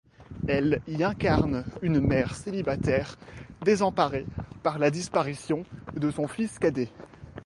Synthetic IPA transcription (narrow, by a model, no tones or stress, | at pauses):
ɛliɛ̃kaʁnynmɛʁselibat̪ɛʁd̪ezɑ̃paʁepaʁlad̪ispaʁisjɔ̃d̪əsɔ̃fiskad̪e